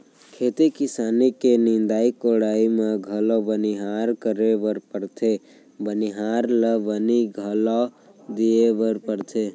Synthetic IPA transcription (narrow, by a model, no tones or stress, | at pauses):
kʰeːt̪ekɪsaːnikenĩnd̪aːikoɽaːimeɡʱəlɔbəniɦaɾkəɾeʋəɾpəɾt̪ʰe | bəniɦaːɾləʋəniɡʱəlɔ | d̪ieʋəɾpəɾt̪ʰe